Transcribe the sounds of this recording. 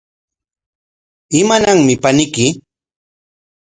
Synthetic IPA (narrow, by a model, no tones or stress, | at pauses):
ɪmanaŋmɪpanɪkɪ